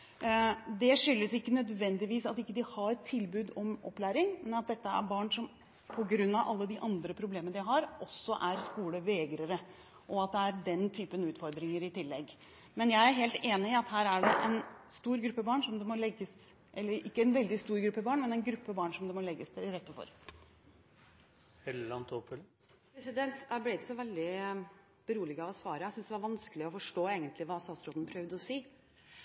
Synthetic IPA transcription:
d̪ɛʂʏlːəsɪkːənœd̪ʋɛnd̪ɪʋiːsɑt̪ɪkːəd̪ɪhɑɾt̪ʰːɪlbʉːd̪ɔmʔɔ̰pːlæːɾɪŋmɛnɑt̪̚d̪ɛt̪ːəæ̰ɾbɑːɳʂɔm | pʰɔɡɾʉnːɑʋʔɑ̰lːəd̪ɪʔɑnd̪ɾəpʰɾʊbleːmənəd̪ɪɦɑɾʔɔsːɔʔæɾskuːləʋeːɡɾəɾə | ʔɔɑt̪̚d̪ɛæɾɖɛnt̪ʰyːpənʉːt̪fɔɾd̪ɾɪŋəɾɪt̪ɪlːɛɡ | mɛnjæɪæɾɦeːlt̪eːnɪɪɑt̪hæːɾæɖɛʔɛnst̪uːɾɡɾʉpːəbɑːɳʂɔmd̪ɛmɔlɛɡːəs | ʔɛlːəɾɪ̰kːəɛnʋɛld̪ɪst̪uːɾɡɾʉpːəbɑːɳmɛnɛnɡɾʉpːəbɑːɳʂɔmd̪ɛmɔlɛɡːəsd̪ɛɪɾɛt̪ːəfɔ̰ɾ | hɛllɑnt̪ɔpfœlː | pɾɛsɪd̪ɛnt̪æblɪɪt̪sɔʋɛld̪ɪ | b̥əɾuːlɪɡɑʋɔsʋɑːɾəæsʏnsd̪ɛʋɑɾʋɑnskəlɪɔfɔʂʈoːeːɡənt̪lɪʋɑːst̪ɑːt̪sɾoːd̪npʰɾœʋd̪əɔsiː

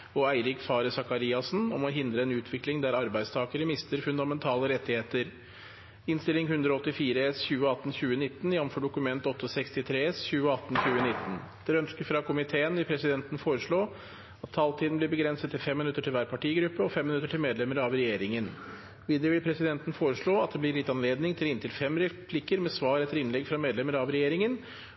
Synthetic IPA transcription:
ɔæɪɾɪkfɑːɾəsɑkɑɾiːɑsnɔmɔɦɪnd̪ɾəɛnʉːt̪ʰʋɪklɪŋd̪æɾɑɾbæɪd̪st̪ʰɑːkəɾəmɪst̪əɾfʉnd̪ɑmɛnt̪ʰɑːləɾɛt̪ːɪheːt̪əɾ | ɪnst̪ɪlɪŋhʉnd̪ɾɔɔt̪ːɪfiːɾəsçʉːəɑt̪ːn̩çʉːənɪt̪ːn̩jɛʋmfɔɖʊkʉmɛnt̪ɔt̪ːəsɛkst̪ɪt̪ʰɾeːsçʉːəɑt̪ːn̩çʉːənɪt̪ːn | d̪̥ɛɾœnskəɾfɾɑkʰʊmɪt̪ʰeːənʋɪlpʰɾɛsɪd̪ɛnt̪n̩foːɾəʂɭoː | ɑt̪ʰːɑːlt̪ʰiːd̪n̩blɪɾbəɡɾɛnsət̪t̪ʰːɪlfɛmːɪnʉt̪ːəʈʰɪlʋæːɾpʰɑʈiːɡɾʉpːəɔfɛmːɪnʉt̪ːəʈʰɪlmeːd̪lɛməɾɑʋɾɛjeːɾɪŋən | ʋiːd̪əɾəʋɪlpʰɾɛsɪd̪ɛnt̪n̩foːɾəʂɭoːɑt̪̚d̪ɛblɪɾlɪt̪ːɑnleːd̪nɪŋt̪ʰɪlɪnt̪ɪlfɛmɾɛpʰlɪkəɾmɛsʋɑːɾɛt̪ːəɾɪnlɛɡfɾɑmeːd̪lɛməɾɑʋɾɛjeːɾɪŋən

